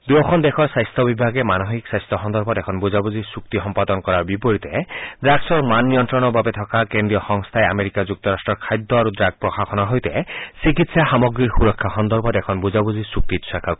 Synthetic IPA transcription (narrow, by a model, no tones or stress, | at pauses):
d̪uɔkʰɔnd̪ekʰɔɾsajst̪ʰɔbibʱaɡemanɔɦiksajst̪ʰɔɦɔnd̪ɔɾbʱɔekʰɔnbud͡ʒabuzisuk̚t̪iɦɔmpad̪ɔnkɔɾaɾbipoɾit̪ed̪ɾaɡsɔɾmanːijɔnt̪ɾɔnɔbabet̪ʰɔkakend̪ɾijɔxɔŋst̪ʰaeameɾikad͡ʒuk̚t̪ɔɾasʈɾɔɾkʰajd̪ːɔaɾud̪ɾaɡ̚pɾɔxaxʰɔnɔɦojt̪esikit̪saxamɔɡɾiɾxuɾɔkʰːaxɔnd̪ɔɾbʱɔtekʰɔnbud͡ʒabud͡ʑisuk̚t̪it̪sakʰa